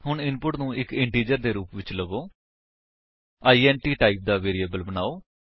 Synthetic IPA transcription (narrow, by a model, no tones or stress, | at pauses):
ɦʊɳɪnpʊʈnũːʔɪkɪɳʈiːd͡ʒəɾd̪eːɾuːpʋɪt͡ʃləɡoː | aːiːɛːnʈiːʈaːiːp̚d̪aːʋeːɾiːəːbəlbənaːoː